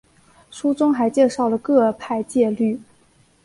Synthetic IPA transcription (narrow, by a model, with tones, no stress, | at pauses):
ʂu˥t͡sʊ˥ŋxa˧˥ɪt͡ɕjɛ˥˧ʂɑ˥˩ʊlə˩kɤ˥˧pʰa˥˧ɪt͡ɕjɛ˥˧ly˥˩